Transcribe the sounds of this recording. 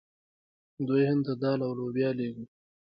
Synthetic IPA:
d̪ujhɪnt̪ad̪ɑlawlobjɑleɡu

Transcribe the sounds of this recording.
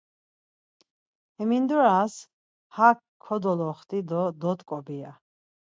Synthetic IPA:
ɛmind̪uɾas | hak | kʰːɔd̪ɔlɔχt̪ʼid̪ɔd̪ɔt̪ʼkʼɔbia̰

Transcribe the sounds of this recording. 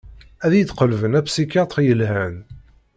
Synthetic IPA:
æðjəd̪qəlvənæpsikɑt̪ˤjəlɦæn

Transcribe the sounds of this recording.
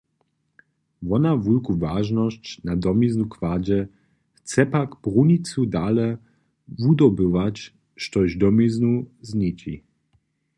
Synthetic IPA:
vɔnavulkuvaʒnɔɕt͡ɕnad̪ɔmiznukvad͡ʑɛ | xt̪t͡ssɛpakbʁuɲit̪sudalɛ | vud̪ɔbɪvat͡ɕ | ʃt̪ɔʑd̪ɔmiznuzɲit͡ɕḭ

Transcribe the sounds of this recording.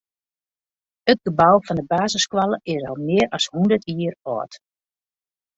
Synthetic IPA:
ət̚ɡəbawfɔndəbaːzəskʋalˠəʔɪsɔ̰lˠmɪːərɑshundərtʰiːərɔ̰ːt

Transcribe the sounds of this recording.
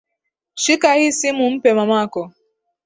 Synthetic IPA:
ʃikahisimumpemɐmaːko

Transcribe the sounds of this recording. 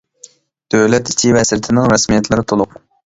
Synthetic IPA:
d̪̥øwlɛt̪i̥t͡ʃʰivɛɛsɾɪt̪ʰɪnɪŋɾɑsmijɛt̪lɪɾɪt̪ʰolˠʊq

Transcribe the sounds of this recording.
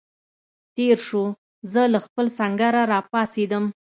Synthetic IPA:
t̪eɾʃu | zəlaxpəlsaŋɡaɾaɾɑpɑsed̪əm

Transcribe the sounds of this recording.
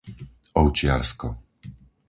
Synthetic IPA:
ɔʊt͡ʃɪaɾskɔ

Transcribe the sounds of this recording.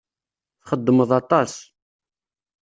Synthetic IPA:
θχəd̪ːəməðˤɑt̪ˤɑs

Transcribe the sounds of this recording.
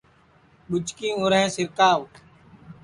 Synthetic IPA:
ɓʊd͡ʒkĩːõːɾɛ̃ːsɪɾkaːʋ

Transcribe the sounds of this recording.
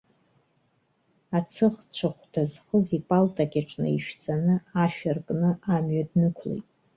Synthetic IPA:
at͡sʰɨχt͡ɕʷʰaχʷd̥azχəzipʼaltʼakʲʼaʈ͡ʂʼnɨ̰iʃᶣt͡sʼanɨaʃᶣarkʼnɨʔamɥadnɨkʷʰlḛjtʼ

